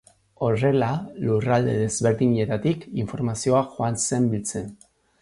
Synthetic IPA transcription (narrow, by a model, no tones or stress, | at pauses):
o̞re̞lalurald̪e̞ðe̞zβe̞ɾðiɲe̞t̪at̪ikiɱfo̞ɾmasio̞axoanse̞mbilt͡se̞n